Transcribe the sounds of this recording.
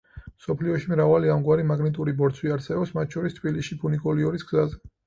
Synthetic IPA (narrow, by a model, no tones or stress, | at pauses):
msɔpʰliɔʃimɾavaliamɡwaɾimaɡnit̪ʼuɾibɔɾt̪sʰwiaɾt̪sɛbɛpsmat̪ʰʃʰɔɾist̪ʰbilisʃipʰunikʼɔliɔɾisɡzazɛ